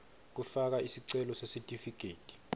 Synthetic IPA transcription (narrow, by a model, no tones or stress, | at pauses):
k̬ufak̬aisiǀɛlɔsesitʼifikʰʼeːtʼi̥